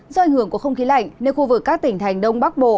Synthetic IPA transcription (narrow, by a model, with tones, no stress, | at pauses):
zɔ˧ʔa˨˩jŋ̟hɨ˧˩əkəxə˧wŋ͡mxi˨˦la̰˧˨jŋ̟ne˧nxu˧vɨ˨˩kːaː˦˥k̚t̪ï˧˩ŋ̟t̪ʰa˨˩jŋ̟ɗə˧wŋ͡mɓa˦˥k̚ɓo̰˧˨